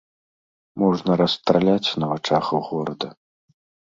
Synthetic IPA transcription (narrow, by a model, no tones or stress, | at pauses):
mɔʐnɐɾɐst̪ɾalʲat͡sʲnɐvɐt͡ʂaxɐwɣɔɾɐd̪ɐ